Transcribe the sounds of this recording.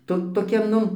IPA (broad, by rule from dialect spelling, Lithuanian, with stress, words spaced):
ˈtoː toːˈkʲɛ ˈnʊ